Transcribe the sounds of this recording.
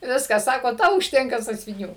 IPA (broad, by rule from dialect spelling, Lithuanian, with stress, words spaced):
ˈʋʲɪskɐs ˈsɑːkoː ˈtɐʊ ʊʃʲˈtʲɛŋkɐ sɑːsʲʋʲɪˈnʲuː